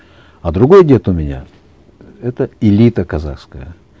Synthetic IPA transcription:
ɐd̪ɾʊɡo̞jədʲe̞t̪ʊmʲɪnʲa̰ | ɛt̪əɪlʲit̪əkɐza̰xskəjə

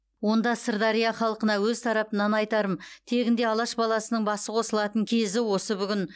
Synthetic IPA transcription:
wo̞nd̪ɑsəɾd̪ɑɾijɑχɑlˠqənɑwɵzt̪ʰɑɾɑpənɑnɑjt̪ɑɾəmt̪ʰe̞ɡʲɪnd̪e̞ɑlˠɑʃbɑlˠɑsənəɴbɑsəqʰo̞səlˠɑt̪əŋkʲʰe̞zɪwo̞səbʏɡʲɪn

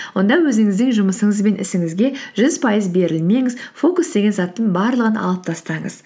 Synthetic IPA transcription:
wwo̞nd̪ɑwɵzɪŋɪzd̪ɪŋʒʊməsəɴəzbe̞nʔɪ̰sɪŋɪzɡʲe̞ʒ̥ʏzpʰɑjəzbe̞ɾɪlme̞ŋɪzfo̞kusd̪e̞ɡʲe̞nzɑt̪ːəɴbɑɾlˠəʁənɑ̰lˠəp̚t̪ʰɑst̪ɑɴə̰z̥

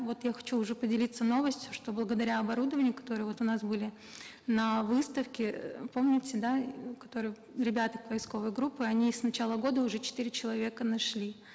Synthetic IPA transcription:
vo̞t̪jaxɐ̥t͡ɕuːʐɛpədʲɪlʲit̪səno̞vəsʲtʲjʊʂt̪o̞blˠəɡəd̪ɐɾʲaɐbɐɾud̪əvənʲɪjəkɐ̥t̪o̞ɾɨjəvo̞t̪ʊnasbɨlʲɪ | nɐvɨst̪əfkʲɪpo̞mnʲɪtʲɪd̪akɐ̥t̪o̞ɾɨj | ɾʲɪbʲat̪əkvɐjsko̞vəjɡɾupːɨɐnʲisnɐt͡ɕalˠəɡo̞d̪əʊʐɛt͡ɕɪ̥t̪iɾʲɪt͡ɕɪlˠɐvʲe̞kənɐʂlʲi

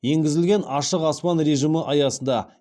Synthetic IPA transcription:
je̞ŋɡʲɪzɪlɡʲe̞nɑʃəqɑspɑnɾe̞ʒiməʔɑjɑsənd̪ɑ

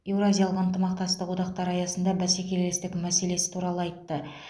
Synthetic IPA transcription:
e̞wɾazʲijalˠəqənt̪əmɑq̚t̪ɑst̪əqwo̞d̪ɑqt̪ɑɾɑjɑsənd̪ɑbæsekʲe̞llest̪ɪkʲmæse̞le̞sɪ̥t̪ʰuɾɑlˠəɑjt̪ːə

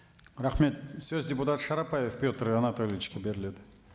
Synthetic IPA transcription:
ɾɑχme̞t̪søzd̪ʲeput̪at̪ʃɑɾɑpajefpʲjot̪əɾanat̪olʲɪvɪt͡ʃkʲebe̞ɾɪle̞d̪ɪ

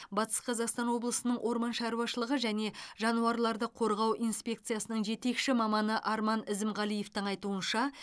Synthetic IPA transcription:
bɑt̪ə̥sqʰɑzɑqst̪ɑnwo̞blˠəsənəɴwʔo̞ɾmɑnʃɑɾuwɑʃəlˠəʁəʒæne̞ʒɑnuɑɾlˠɑɾd̪əqʰo̞ɾʁɑwʔinspʲe̞kt̪sɨjasənəɴʒe̞t̪e̞kʃɪmɑmɑnəʔɑɾmɑnɪzɪmʁɑlˠijeft̪əɴɑjt̪uənʃɑ

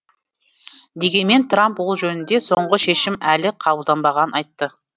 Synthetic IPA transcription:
d̪e̞ɡʲe̞nme̞nt̪ʰrampwo̞lˠʒɵnɪnd̪e̞so̞ɴʁəʃe̞ʃɪmælɪqʰɑbəlˠd̪ɑnbɑʁɑnənɑjt̪ːə

